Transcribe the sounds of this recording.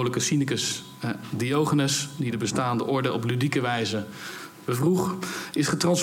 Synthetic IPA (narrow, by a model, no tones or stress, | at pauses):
wləkəsinəkəs | diowχənəsdidəbəstaːndəʔɔɹdəʔɔplydikəʋɛjzəb̥əvruχɪsχətrɑns